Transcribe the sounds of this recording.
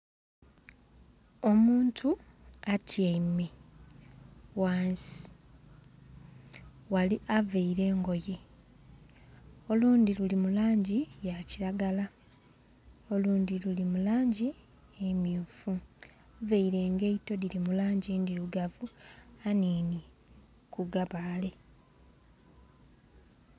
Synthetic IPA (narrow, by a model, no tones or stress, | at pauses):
o̞muːntʰuatʰjeime | waːnsi̥ | waliʔaveiɾe̞ːŋɡo̞je | o̞luːnd̪ilulimulaːɲɟijaciɾaɡala | o̞luːnd̪ilulimulaːɲɟi | emjuːfu | veiɾe̞ːŋɡeito̞diɾimulaːɲɟiːndiɾuɡavuaniːni | kuɡaβaːle̞